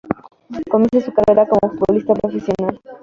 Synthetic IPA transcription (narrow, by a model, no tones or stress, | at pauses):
komisesukareɾakomofut̪̚βolist̪apɾofesjonal